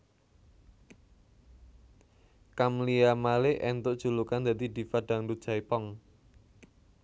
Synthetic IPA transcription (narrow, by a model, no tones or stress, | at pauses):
kamliamaleʔɛnt̪ʊʔd̥ʒ̥ṳlukand̪a̤d̪id̪i̤faɖ̥a̤ŋdu̥ʒ̥ajpɔŋ